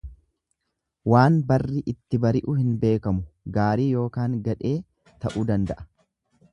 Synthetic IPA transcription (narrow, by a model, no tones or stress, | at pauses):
waːnbɐrːɪʔɪt̪ːɪbɐɾɪʔʊhɪnbe̞ːkɐmʊɡaːɾiːjo̞ːkaːŋɡɐᶑe̞ː | t̪ɐʔuːd̪ɐnd̪ɐʔɐ̥